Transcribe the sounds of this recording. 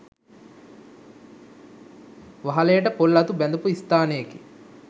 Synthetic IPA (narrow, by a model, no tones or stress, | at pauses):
ʋaɦɐleːʈəpolːɐt̪ubɛnd̪upuist̪aːneki